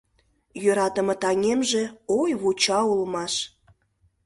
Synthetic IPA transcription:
jøɾɑt̪əmə̆t̪ɑŋʲemʒeojβut͡ɕɑulmɑʃ

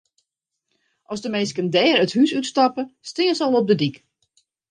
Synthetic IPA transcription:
ʔɔsdəmejskəndɛːɾəthysytstɑpəstɪənsɔlˠɔp̚dədik

